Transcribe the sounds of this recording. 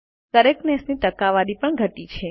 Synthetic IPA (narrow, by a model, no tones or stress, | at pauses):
kəɾeknɛsnit̪əkaʋaɾipəɳɡʱəʈit͡ʃʰe